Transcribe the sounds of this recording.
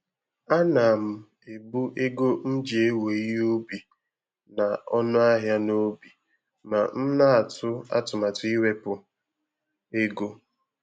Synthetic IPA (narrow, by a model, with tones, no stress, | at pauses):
a˦na˨m̩˨ | e˨bu˦ʔe˦ɡo˦n̩˦d͡ʒe˨e˦we˨i˦o˦bi˨ | na˨ɔ˦nʊ˦a˦ɦja˦no˦bi˨ | ma˨n̩˦na˦a˨tʰʊ˦a̰˦tʊ˨ma˨tʊ˦i˦we˦pʊ˨ | e˦ɡo˦